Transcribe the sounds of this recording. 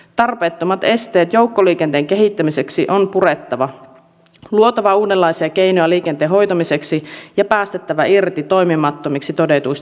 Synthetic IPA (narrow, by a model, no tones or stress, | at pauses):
t̪ɑrpe̞ːt̪ːo̞mɑt̪e̞st̪e̞ːt̪jo̞wkːo̞liːk̟ent̪eːŋk̟e̞ɦit̪ːæmise̞ksiʔonpure̞t̪ːɑʋɑ | luo̞t̪ɑʋɑuːdelːɑjsiɑk̟e̞jnojɑliːk̟ent̪eːɦo̞jt̪ɑmise̞ksijɑpæːst̪et̪ːæʋæʔirt̪it̪o̞jmimɑt̪ːo̞miksit̪o̞de̞t̪uis